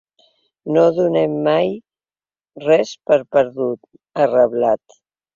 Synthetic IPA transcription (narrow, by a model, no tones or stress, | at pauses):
noðunɛmːaj | rɛspəɾpəɾðut̪̚ | ərəβlat̪